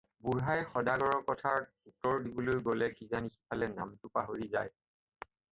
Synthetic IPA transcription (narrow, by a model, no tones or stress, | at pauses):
buɦajxɔdaɡɔɹɔkɔtʰaɹ | utɔɹdibolojɡolɛkizanixipʰalɛna̰mtʊpaɦoɹizaj